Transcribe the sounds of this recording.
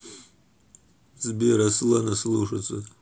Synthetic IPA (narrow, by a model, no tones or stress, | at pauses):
zbiɾasɨlanasɨluʂat͡sʼɨ